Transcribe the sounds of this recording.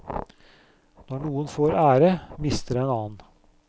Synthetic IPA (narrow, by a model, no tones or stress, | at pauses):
d̪̥ɑːɳuːənfoːɾæːɾəmɪst̪əɾɛːnɑːn̩